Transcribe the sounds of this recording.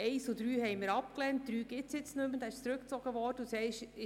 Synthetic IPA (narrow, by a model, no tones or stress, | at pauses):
ɛɪsudɾyːɦɛɪmɪːɾɑp̚klɛnt̚d̥̪ɾyːɡ̥ɪtt͡sjɪt͡snɵmːəd̥̪ɑɪʃt͡sɾʉk̚t͡sɔɡ̥əʋɔɾdəusɛɪʃɪ